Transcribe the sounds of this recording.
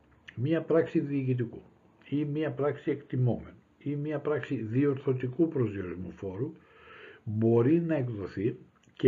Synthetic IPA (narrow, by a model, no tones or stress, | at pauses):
mɲɐpɾɐksiðiːcit̪̬iku | imɐpɾɐksie̞kt̪imo̞me̞nu | imɐpɾɐksiðio̞ɾθo̞t̪ikupɾo̞zjo̞ɾizmufo̞ɾu | bo̞ɾinɐe̞kðo̞θi | c